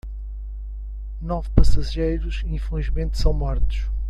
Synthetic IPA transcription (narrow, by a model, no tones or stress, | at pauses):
nɔvpɐsɐʒejɾuʃiĩfɐ̃ʒimẽnt̪sɐ̃w̃mɔɾt̪u̥ʃ